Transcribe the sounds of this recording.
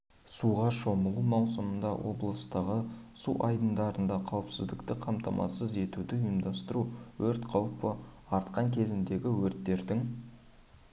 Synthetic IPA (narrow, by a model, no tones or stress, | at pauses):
suʁɑʃo̞məlˠumɑwsəmənd̪ɑwʔo̞̰blˠəst̪əʁəsṵʔɑjd̪ənd̪ɑɾənd̪ɑqʰɑwəpsɪzd̪ɪkt̪ɪqʰɑmt̪ɑmʔɑ̰səze̞t̪ud̪ɪjəmd̪ɑst̪əɾuwɵɾt̪qʰɑwpə | ɑɾt̪qɑŋkʲʰe̞zɪnd̪e̞ɡʲɪwɵɾt̪ːe̞ɾd̪ɪŋ